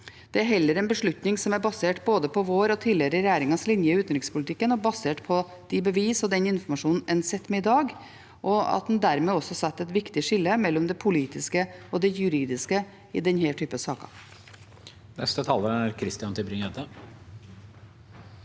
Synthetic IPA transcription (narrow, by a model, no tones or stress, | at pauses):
d̪̥ɛæɾɦɛlːəɾɛnbəʂɭʉt̪nɪŋsɔmæɾbɑseːʈboːd̪əpʰɔʋoːɾɔt̪ʰiːlɪɛɾəɾɛjæːɾɪŋɑnslɪnjəɪʉːt̪n̩ɾɪŋspʰʊlɪt̪ʰɪkːənɔbɑseːʈpʰɔ | d̪̥ɪbəʋiːsɔd̪ɛnɪnfɔɾmɑʂuːnn̩ʔɛnsɛt̪ːmɛɪd̪ɑːɡ | ʔɔɑ̰t̪̚d̪ɛnd̪æɾmeːɔsːɔsɑt̪ːɛt̪ʋɪkt̪ɪʂɪlːəmɛlːɔmd̪ɛpʰʊliːt̪ɪskəɔd̪ɛjʉɾiːd̪ɪskə | ɪd̪ɛnhæːʈʰyːpəsɑːkɑ̰ | nɛst̪ət̪ʰɑːləɾæɾkʰɾɪst̪ɪjɑnt̪ɪlbɾɪŋɛd̪ə